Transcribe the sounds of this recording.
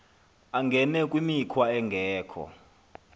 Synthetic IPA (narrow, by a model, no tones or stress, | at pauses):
aŋɡʱɛnɛkʼwimikʰwaɛŋɡʱɛːkʰɔ̰